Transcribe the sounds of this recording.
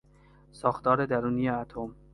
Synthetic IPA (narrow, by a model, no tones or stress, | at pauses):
sɒːxt̪ɒːɾed̪æɾuːnijeæt̪ʰom